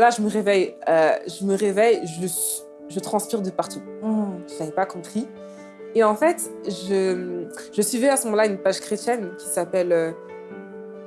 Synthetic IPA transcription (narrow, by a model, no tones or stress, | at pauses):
laʒəməʁevɛjøʒəməʁevɛjʒəs | ʒət̪χɑ̃spiʁd̪əpaʁt̪u | ʒavɛpakɔ̃pχi | eɑ̃fɛt̪ʒəmʒəsɥivyasəmɔmɑ̃laynpaʒkχet̪jɛnkʲi̥sapɛlø